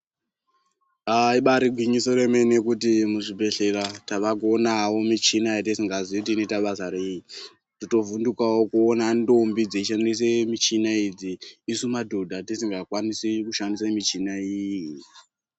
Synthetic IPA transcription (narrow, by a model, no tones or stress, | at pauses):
aiɓaɾiɡʱwiɲisore̞me̞nekutimuʐibʱe̞ɬe̞rataʋakuonawo̞mit͡ʃinajatisiŋɡazit̬inetaɓazaɾeji | tito̞vundukawokuonando̞mbid͡zeiʃandis̬emit͡ʃinaid͡ziːsumadʱo̞dʱatisiŋɡakwanisikuʃandisemit͡ʃinaijji